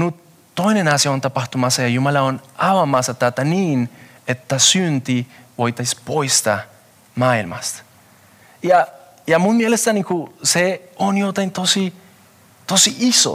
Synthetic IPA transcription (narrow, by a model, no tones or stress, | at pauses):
nut̪ː | ojnenasiɑont̪ɑpɑxt̪umɑsːɑjɑjumɑlɑonɑʋɑmɑsɑt̪ɑt̪aniːn | e̞t̪ːæsynt̪iʋo̞jt̪ɑspo̞jst̪ɑ̰ | mɑːilmɑ̰st̪ | jɑ | jɑmumielest̪ænikuseonjot̪ɑint̪osi | t̪osiʔiso̰